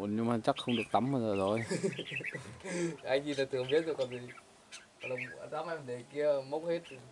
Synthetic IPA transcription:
ɲɨ˧ŋmaː˨˩t͡ɕa˦˥k̚xə˧wŋ͡mɗɨ˨˩ək̚t̪a˨˦mɓaː˨˧zəː˨˩zo˨˩j | ʔa˧jŋzi˧˩nlaː˨˩t̪ʰɨ˨˩əmɓi˦˥t̚zo˨˩kɔ˨˩vi˨˩˨ | lə˨˩wŋ͡mzaː˨˦mʔa˧jmə˨˩ɗe˨˩ki˧əmə˦˥wk̚he˦˥t̚

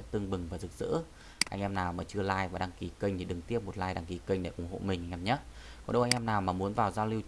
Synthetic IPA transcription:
t̪ɨ˧əŋɓɨ˨˩ŋvaː˨˩zɨ˨˩k̚z̥ɨ̰˧˥ | ʔa̰˧jŋ̟ʔɛ˧mnaː˨˩wmaː˨˩t͡ɕɨ˧əlaː˧jvaː˨˩ɗaː˧ŋki˨˩ki˧ŋ̟t̪ʰi˨˩ɗɨ˨˩ŋt̪i˦˥əp̚mo˨˩t̚laː˧jɗa˧ŋki˨˦kï˧ŋ̟ɗḛ˧˩ʔʊ˨˩ŋ͡mho̰˧˨mï˨˩ŋ̟ʔʔɛ˧mɲə˦˥t̚kɔ˨nɗə˧wʔa˧ŋ̟ʔɛ˧mnaː˨˩wmaː˨˩mu˨˦ənvaː˨˩wzaː˧wli˧w

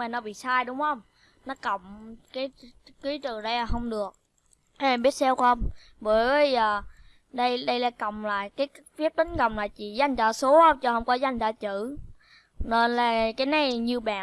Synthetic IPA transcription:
aː˨˩nɔ˨˦ɓḭ˧˨saː˧jɗʊ˨˦wŋ͡mhə˧wŋ͡m | nɔ˨˦kə˧˨wŋ͡mkaː˨˦jki˨˦tɨ˨˩ɗə˧jaː˨˩ɦə˧wŋ͡mɗɨ˨˩ək̚ː | ɓi˦˥ət̚sɛ˧whə˧wŋ͡m | ɓəː˧˨˦jə˨jə˨˩ | ɗə˧jɗə˧jlaː˧˩kə˨wŋ͡mla̰ː˧˨jkaː˨˦j | fi˦˥əp̚t̪ï˨˦ŋ̟kə˨wŋ͡mlaː˧˨jt͡ɕḭ˧˨za˧jŋ̟t͡ɕɔ̰ː˧˩so˨˦hə˧wŋ͡mt͡ɕɔ˧hə˧wŋ͡mkɔ˨˦za˧jŋ̟zɔ̰˧˩t͡ɕɨ˧˩˨ | ne˧nlaː˨˩kaː˨˦jna˨˩jɲɨ˧ɓa̰ː˧˨

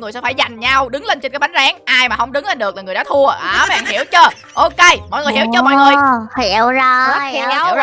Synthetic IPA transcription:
ŋɨ˨˩əsɛ˧˥faː˧˩jza˨˩jŋ̟ɲa˧wɗɨ˨˦ŋle˧nt͡ɕe˧nkaː˨˦ɓn̟zaː˨˦ŋʔaː˧jmaː˨˩hə˧wŋ͡mɗɨ˨˦ŋle˧nɗɨ˨˩ək̚la˨˩ŋɨ˨˩əɗaː˧˥t̪ʰu˧əʔaː˨˩ɓa̰ː˧˩ŋhi˧˩əwt͡ɕəː˧ | ʔo˧ke˧jmɔ̰˧˨jŋɨ˨˩jhi˧˩wt͡ɕəː˧mɔ̰˧˨jŋɨ˨˩əjhi˧˩əwzɔ˧˦˥i˧˨˧

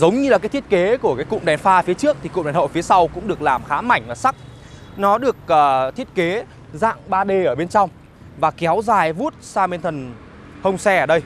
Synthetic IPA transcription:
zə˨˦wŋ͡mɲɨ˧lkaː˨˦jt̪ʰi˦˥˦t̚ke˨˦ku˧˩əkaː˨˦jkʊ̰˧˨ŋ͡mɗɛ˨˩nfaː˧fi˨˦ət͡ɕɨ˦˥ək̚t̪ʰi˨˩kʊ̰˧˨ŋ͡mɗɛ˨˩nho̰˧˨jfi˨˦əsa˧wkʊ̰˧˥ŋ͡mɗɨ˨˩ək̚laː˨˩mxaː˨˦ma˧˩jŋ̟laː˨˩sa˦˥k̚ | nɔ˨˦ɗɨ˨˩ək̚əː˨˩t̪ʰi˦˥ət̚ke˨˦ | za̰ː˧˨ŋɓaː˧ɗe˧˩ʔəː˧˩ɓe˧nt͡ɕɔ˧wŋ͡m | vaː˨˩kɛ˨˦wzaː˨˩jvu˦˥t̚saː˧me˧nt̪ʰə˨˩n | hə˧wŋ͡msɛ˧əː˧˩ɗə˧j

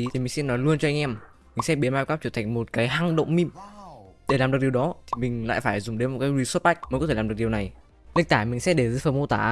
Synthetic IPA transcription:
i˨˩ï˨˩ŋ̟si˧nːɔ˨˦jlu˧ənt͡ɕɔ˧ʔa˧ŋʔɛ˧m | mï˨˩ŋ̟sɛ̰˦˥ɓi˨˦ənmaː˧wkaː˦˥t͡ɕə˧˩t̪ʰŋ̟mo˨˩t̚kaː˨˦jɦa˨˩ŋɗə̰˧˨wŋ͡mmi˧m | ɗe˧˩laː˨˩mɗk̚ɗəwɗɔ˨˦t̪ʰi˨˩mï˨˩ŋ̟la̰ː˧˨jfaː˧˩jzʊ˨˩ŋ͡mɗe˨˦mo˨˩kaː˨˦j̚wi˧sə˦˥pa˦˥k̚m˨˦kt̪e˧˩lːɗk̚ɗi˨˩wna˨˩j | li˧˥k̚t̪aː˧˩jmï˨˩ŋ̟sɛ̰˦˥ɗe˧˩zə̰˨˧˥fəː˧˩mo˧t̪aː˧˩

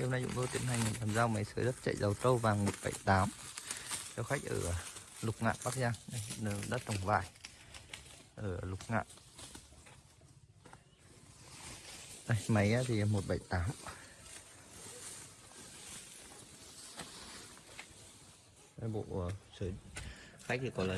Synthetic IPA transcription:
wna˧jzʊ̰˧˥ŋ͡mt̪t̪i˨˧˦mha˨jŋ̟ŋi˨˩nt̪aː˨˩mzaː˧wmə˨˦jsəː˨˦jzə˦˥t̚t͡ɕə̰˧˨jzə˨˩wt̪ə˧wvaː˨˩ŋmo˨˩t̚ɓa̰˧˩jt̪aː˨˦m | zɔ˧wxa˦˥k̚ʔəː˧˩lʊ˨˩k͡p̚ŋa̰ː˧˨ɓaː˦˥k̚zaː˧a˧˩jɗa̰ː˧˥t̚t̪ə˨˧˩wŋ͡mva̰ː˧˨j | ʔəː˧˩lʊ˨˩k͡p̚ŋa̰ː˧˨ʔ | ʔa˧˩jmə˨˦jaː˧t̪ʰi˨˩˨mo˨˩t̚ɓa˧˩jt̪aː˨˦m | a˨˧˦ɓo̰˧˨ə˨˩səː˨˦xa˦˥k̚t̪ʰi˨˩kɔ˨˦laː˨

